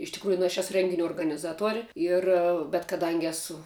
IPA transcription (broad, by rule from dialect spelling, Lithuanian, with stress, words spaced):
ɪʃ tʲɪkˈruːjʊ nʊ ɐʃ ˈæːsʊ ˈrʲɛŋʲɡʲɪnʲʊ oːrɡɐnʲɪˈzɑːtuɔrʲ ˈɪr bʲɛt kɐˈdɐŋʲɡʲɪ ˈæːsʊ